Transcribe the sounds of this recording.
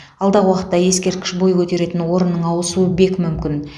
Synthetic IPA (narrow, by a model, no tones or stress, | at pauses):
ɑlˠd̪ɑʁəwɑqət̪ːɑje̞skʲe̞ɾt̪̚kʲɪ̥ʃbo̞jkʰʲɵt̪e̞ɾe̞t̪ɪnwo̞ɾənːəɴɑwəsuəbe̞kmʏmkʲɪn